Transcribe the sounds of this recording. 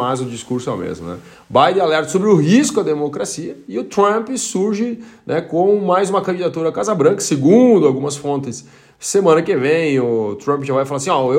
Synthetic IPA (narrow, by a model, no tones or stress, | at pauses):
ajzʊd͡ʒiskuɾsʊɛ̰wmḛzmʊ̰nɛ̰ | bajd̪ẽalɛɾt̪ʊ̥sobɾɪʊɦiskʊɐd̪emokɾasiɐɪʊt̪ɾɐ̃pɪsuɾʒɪnʔɛkõmʊmajzũmɐkɐ̃d͡ʒid̪at̪uɾɐkazɐbɾɐ̃kɐ̥seɡũd̪ʊawɡũmɐsfõnt̪ɪs | semɐ̃nɐkevẽj̃ʊt̪ɾɐ̃mpʒavajfalasĩɔe